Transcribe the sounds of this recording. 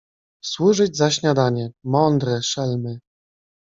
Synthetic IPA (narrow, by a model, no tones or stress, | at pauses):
swuʐɘd͡ʑzaɕɲad̪aɲɛmɔnd̪ɾɛʂɛlmɘ